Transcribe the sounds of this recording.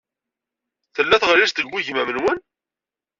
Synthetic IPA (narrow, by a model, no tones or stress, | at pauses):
θəlːæθʁəliʃt̪əɡwiʝmæmənwən